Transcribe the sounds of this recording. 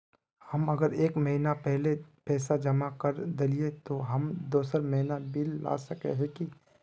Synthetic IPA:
hɐmɐɡəɾeːkmɐɦinapɛɦlepɛːsad͡ʒɐmakɐɾd̪ɪliet̪oɦɐmd̪oːsəɾmɐɦinabɪlːa̰ːsɐkḛɦɛ̃ki

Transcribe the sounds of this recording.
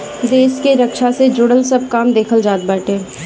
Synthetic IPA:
d̪eːskeɾəkʃased͡ʒʊɽəlsɐb̚kaːmd̪eːkʰəld͡ʒaːd̪̚baːʈeː

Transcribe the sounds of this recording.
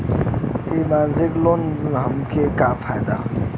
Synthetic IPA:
imanziklonɦɐmkʰekafʰajd̪a̰

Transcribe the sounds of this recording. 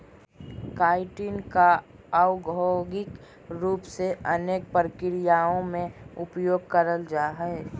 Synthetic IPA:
kaːɪʈinka | aʊɡʱoɡɪk | ɾuːpseʔəneːk̚pəɾəkɪɾɪjaːõmẽʊpjoːɡ̚kəɾəld͡ʒaːɦɛɛ

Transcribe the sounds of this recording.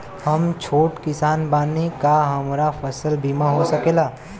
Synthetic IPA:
hɐmt͡ʃʰoːʈkɪsaːnbaːnekaɦɐmɾafʰɐsəlbʱiːmaɦosɐkeːlaː

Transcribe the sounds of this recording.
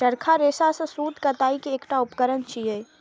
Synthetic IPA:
t͡ʃəɾkʰaɾeːsasẽsuːd̪ʱkɐt̪aːikieːkʈaʊpkəɾənt͡ʃʰiɦeː

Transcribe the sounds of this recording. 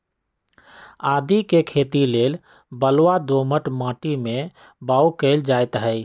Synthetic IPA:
aːd̪ikekʰeːt̪ileːl | bəlwad̪oməʈmãːʈimẽ | baːukeld͡ʒaːet̪ɦəj

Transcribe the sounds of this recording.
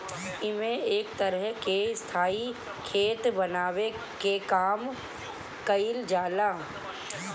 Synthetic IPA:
ɪmẽeːkt̪əɾəɦkest̪ʰaːi | kʰeːt̪bɐnaːwe | kekaːm | kəild͡ʒaːlaː

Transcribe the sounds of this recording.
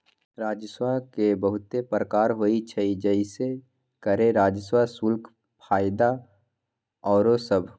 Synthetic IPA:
ɾaːd͡ʒswakebəɦʊt̪epɾəkaːɾɦoːit͡ʃʰəid͡ʒəɪse | kəɾeɾaːd͡ʒəswasʊlkʰ | pʰaːɪd̪a | ɔːɾosəbʱ

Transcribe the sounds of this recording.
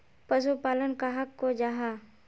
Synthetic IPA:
pəsupaːlənkaɦɐkːod͡ʒaːɦaː

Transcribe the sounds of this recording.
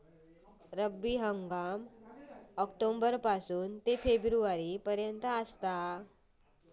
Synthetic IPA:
ɾəbiɦəŋɡam | ɔkʈombəɾpasuːnt̪efebɾuʋaɾiːpəɾjənt̪əəst̪a

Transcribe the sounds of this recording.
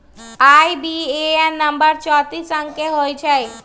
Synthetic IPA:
aibieɛnːəmbəɾt͡ʃɔːt̪isə̃ŋkeɦojt͡ʃʰe

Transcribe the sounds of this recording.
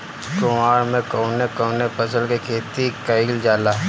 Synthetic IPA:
kʊmaːɽmẽkoʊnekoːnepʰɐsəlkekʰeːt̪ikəiːld͡ʒaːlaː

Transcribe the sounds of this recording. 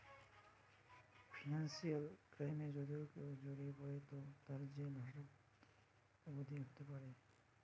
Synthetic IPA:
pʰinansijalkɾajmed͡ʑod̪iokewd͡ʒoɾikɔɾet̪ɔt̪aɾd͡ʑienaɾak | ɔbod̪ʱiɦot̪epaɾe

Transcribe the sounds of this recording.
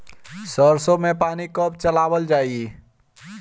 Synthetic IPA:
səɾsõmẽpaːnikəp̚t͡ʃəlaːwəld͡ʒaːie

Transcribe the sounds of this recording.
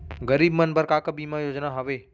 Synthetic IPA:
ɡəɾiːbmənbəɾkaːkəbimãjoːd͡ʒnaɦɐʋeː

